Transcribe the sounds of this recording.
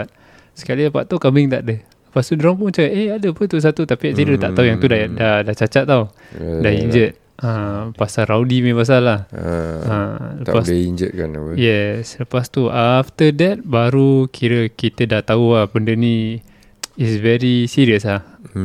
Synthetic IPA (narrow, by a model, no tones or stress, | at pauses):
t̪̚ | sə̥kaliəpa̰ʔt̪aukambiŋt̪aʔdə | ləpast̪udɾampuət͡ʃakaeadəpət̪us̬at̪ut̪apiaʔsiɾət̪a̰ʔt̪aujaŋt̪udadadaht͡ʃat͡ʃat̪̚ːau | daiɲd͡ʒət̪̚ | əpasaɾawdimẽpas̬alahələapasiɲd͡ʒət̪̚kanjɛsləpast̪uaft̪ədɛt̪̚baɾukʰiɾəkit̪ədaht̪auabəndənĩ | isvɛɾisiɾiəslah